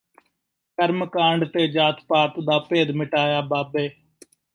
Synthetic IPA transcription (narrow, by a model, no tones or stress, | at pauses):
kəɾmkãːɳɖt̪eːd͡ʒaːt̪ʰpaːt̪d̪aːpeːd̪mɪʈaːjaːbaːbeː